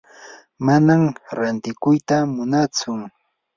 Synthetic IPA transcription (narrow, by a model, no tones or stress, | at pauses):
manamɾant̪ɪkʊjt̪amʊnat͡sʊŋ